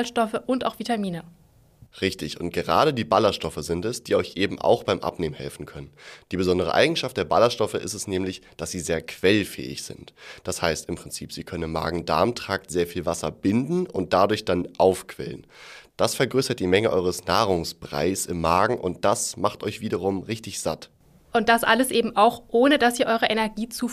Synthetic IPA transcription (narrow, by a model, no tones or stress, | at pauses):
lʃtɔfəʔʊntaʊxv̥itamiːnə | ʁɪçtɪçʔʊ̰nt̚ɡ̥əʁa̰ːɾədiːbalɐʃtɔfəzɪntɛsd̥iːʔɔʏçʔeːbm̩ʔa̰ʊxb̥aɪmʔa̰pneːmənhɛ̰lfn̩kʰœnənd̥iːbəzɔndəʁ̞ə̰ʔa̰ɪɡŋ̩ʃaftd̥eːɐba̰lɐʃtɔfəʔɪstɛ̥snɛːmlɪçd̥asz̥iːzeːɐkʰv̥ɛlfɛ̰ːɪ̰çz̥ɪ̰ntd̥ashaɪstɪmpʁ̥ɪnt͡siːpz̥iːkʰœnənɪmːa̰ːɡŋ̩da̰ɐmtʁ̥aːk̚tz̥eːɐfiːlvasɐbɪndn̩ʊnt̚d̥adʊɐçd̥anʔaʊfkʰv̥ɛ̰lənd̥asfɛɐɡʁøːsɐt̚d̥iːmɛŋəʔɔʏʁəsnaːʁ̞ʊŋsb̥ʁ̥a̰ɪsɪmːaːɡŋ̩ʔʊ̰ntd̥asmaχtʔɔʏçv̥iːdɐʁ̞ʊmʁɪçtɪçz̥at | ʔʊntd̥asʔaləsʔeːbm̩ʔaʊxʔoːnədasiːɐʔɔʏʁəʔɛnɛɐɡiːt͡suː